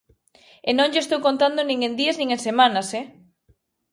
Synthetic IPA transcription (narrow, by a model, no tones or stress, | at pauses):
enõŋʎest̪owkont̪and̪onĩŋend̪iɐznĩŋensemãnasɛ